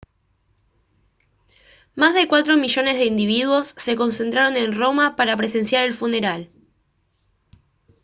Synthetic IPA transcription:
mazðe̞kwat̪ɾo̞miʒo̞ne̞zðeind̪iβiðwo̞sːe̞ko̞nse̞nt̪ɾaɾo̞ne̞nro̞mapaɾapɾe̞se̞nsjaɾe̞lfune̞ɾal

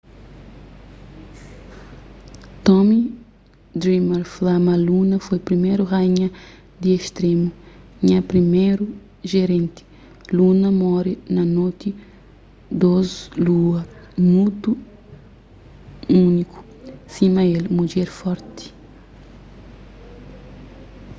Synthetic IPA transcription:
t̪ɔmi | d̪ɾimaɾflamɐlunɐfojpɾimeɾuʁajɲɐ | d̪ieʃt̪ɾemuɲɐpɾimejɾu | ʒeɾẽnt̪i̥ | lunɐmɔɾinɐnot̪i | d̪ozluɐmut̪u | uniku̥ | simɐelmud͡ʒɛɾfɔɾt̪i̥

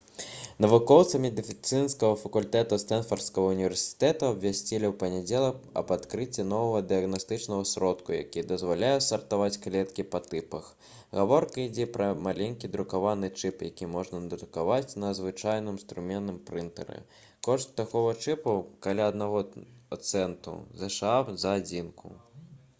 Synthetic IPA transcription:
nɐvukɔwt̪sɐmʲɛd̪ɨfʲit̪sɨnskɐɣɐfɐkulʲt̪ɛt̪ust̪ɛnfɐrt̪skɐɣɐunʲivʲɛrsʲi̥t̪ɛt̪uɐbvʲasʲt͡sʲilʲiwpɐnʲɛd͡zʲɛlˠɐkɐ̰bat̪kɾɨt͡sʲːin̪ɔvɐɣɐd̪ɨɐɣnast̪ɨt͡ʂnɐɣɐsɾɔt̪kuja̰kʲid̪ɐzvalʲajɛsɐrt̪avat͡sʲklʲɛt̪kʲipɐt̪ɨpɐx | ɣavɔrkɐid͡zʲɛpɾɐmalʲenʲkʲid̪ɾukavanɨt͡ʂɨpjakʲimɔʐnɐd̪ɾukavat͡sʲnɐzvɨt͡ʂajnɨmst̪ɾumʲɛnnɨmpɾɨnt̪ɛ̰ɾɨ̰ | kɔʂt̪ːakɔɣɐt͡ʂɨpɐkalʲaɐd̪naɣɔat̪sɛnt̪ṵzɛʂazɐad͡zʲinkʰṵ

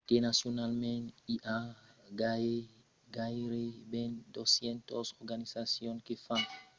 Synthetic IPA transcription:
t̪enasjonalmɛ̃niʔaɡa | ɡaɾebɛ̃ndɔsjɛntɔsɔɾɡanisasjɔ̃nkefãn

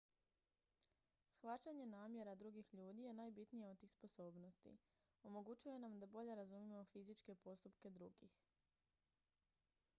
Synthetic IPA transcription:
sxʋat͡ɕaɲe̞naːmje̞ɾad̪ɾuɡixʎuːd̪ije̞naːjbit̪nijeot̪t̪iːxspo̞so̞ːbno̞st̪ḭ | o̞mo̞ɡut͡ɕuje̞namd̪abo̞ʎe̞ɾazumimo̞fizit͡ʃke̞po̞st̪upke̞d̪ɾuɡix

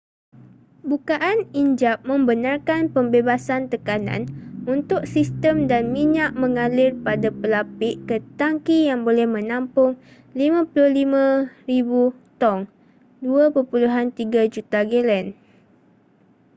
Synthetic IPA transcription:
bukaʔaniɲd͡ʒap̚mə̃mbənarkanpəmbebasant̪əkanã̰nunt̪ʊk̚sist̪əmdanmiɲaʔ̚mə̃ŋalɪrpadapəlapɪʔkət̪aŋkijaŋbolɛhmə̃nãmpʊŋ | limãpulʊhlimãribut̪ɔŋ | duapərpuluɦant̪iɡad͡ʒut̪aɡelɛn

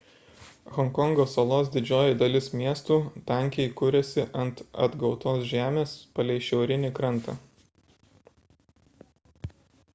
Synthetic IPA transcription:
ɣɔŋkɔŋɡoːsɐlˠoːs̬d̪ʲɪd͡ʒʲoːjɪd̪ɐlʲɪsmʲiɛst̪uːt̪ɑˑŋʲkʲɛɪkʊɾʲɛsʲɪʔɐnt̪ɐ̰d̪ɡɒʊt̪oːsʒʲæːmʲeːspɐlʲɛɪʃʲɛʊɾʲɪnʲɪkɾɐnˑt̪ɑ̰

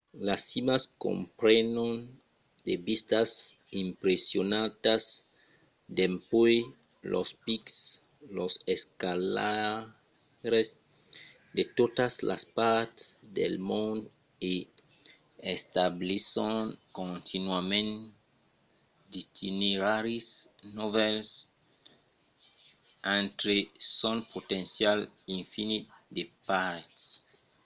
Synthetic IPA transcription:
lasimaskõ̰mpɾenõn | d̪ebist̪as | impɾesjonat̪as | d̪empoj | lʔo̰spiks | loseskala | ɾes | d̪et̪ot̪asla̰spaɾt̪esd̪ḛlmõnd̪ | e | est̪ablisõnkõnt̪ʰinwamẽn | d̪it̪ʰineɾaɾisnovɛls | ãnt̪ɾesɔ̃npot̪ẽnsjalĩɱfinitdepaɾt̪

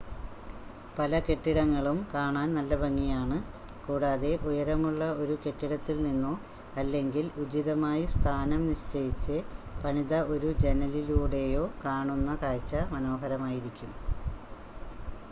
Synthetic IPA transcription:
pɐlɐke̞ʈːiɽɐŋːɐɭumkaːɳaːnnɐlːɐbɐŋːijaːɳɨ | kuːɽaːðe̞ʔujɐɾɐmuɭːɐo̞ɾuke̞ʈːiɽɐt̪ːilninːoː | ɐlːe̞ŋɡilud͡ʑiðɐmaːjist̪ʰaːnɐmniɕt͡ɕɐjit͡ɕːɨpɐɳiðɐo̞ɾud͡ʑenɐliluːɽe̞jo̞ːkaːɳunːɐkaːɻt͡ɕːɐmɐno̞ːɦɐɾɐmaːjiɾikʲːum

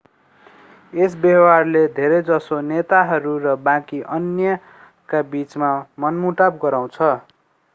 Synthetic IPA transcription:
es̬bjʌwarled̪ʱeɾed͡zʌsonet̪aɦʌɾurʌbãkiʔʌnjʌ | kabit͡smamʌnmuʈabɡʌɾaw̃t͡sʰʌ

